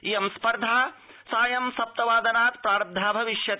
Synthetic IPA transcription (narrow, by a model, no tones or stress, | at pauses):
ijɐmspɐɾd̪ʱaː | saːjɐmsɐp̚t̪ɐʋaːd̪ɐnaːt̪pɾaːɾɐb̚d̪ʱaːbʱɐʋiʃjɐt̪